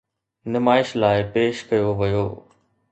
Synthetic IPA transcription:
nɪmaːɪʃlaːɪpeːʃkɐjoʋɐjoː

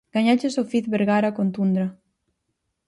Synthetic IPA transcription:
ɡ̥aɲat͡ʃesofit̪βeɾɣaɾakont̪und̪ɾa

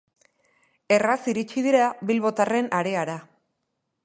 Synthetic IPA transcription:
e̞rasiɾit͡ʃið̞iɾaβilβo̞t̪are̞naɾe̞aɾa

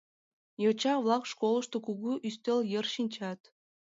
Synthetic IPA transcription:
jot͡ɕɑvlˠɑkʃkolˠə̆ʃt̪okuɣuʔyst̪elʲjerʃinʲt͡ɕɑt̪

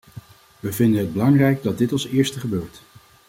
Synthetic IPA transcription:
ʋəvɪndənɦəd̚bəlɑŋrɛjɡ̚dɑd̚ɪtɑlˠsɪːɹstəχəbøːɹt

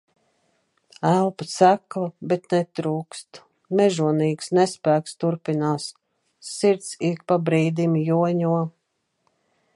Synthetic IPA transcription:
ælˠpasæklˠabɛt̪nɛt̪ɾuːkst̪ | mɛʒuɔniːksnɛspæːkst̪uɾpinaːsː | iɾt̪sikpabɾiːd̪imjuɔɲuɔ

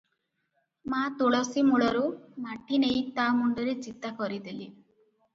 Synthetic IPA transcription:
mat̪oɭɔsimuɭɔɾumaʈʰinejt̪amuɳɖɔɾed͡ʒit̪akɔɾid̪eli

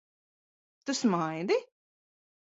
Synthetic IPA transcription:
t̪usmajd̪i

